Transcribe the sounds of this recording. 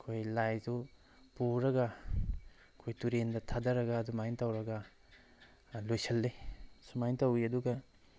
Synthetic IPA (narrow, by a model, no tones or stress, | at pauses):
kʰojlajdu | puɾɐɡɐ | kʰojtuɾendɐtʰadɐɾɐɡɐːdumajntawɾɐɡɐ | lojsɐlːesumajntɐwiɐduɡɐ